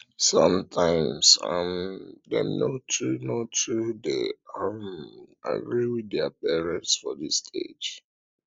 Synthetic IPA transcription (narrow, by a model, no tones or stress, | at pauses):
sʌ̃mtʰãɪ̃msa̰mdɛ̰̃mnotʰunotʰudeõma̰ɡɹiwiðɛpɛɹɛ̃nsfɔðistʰḛd͡ʒ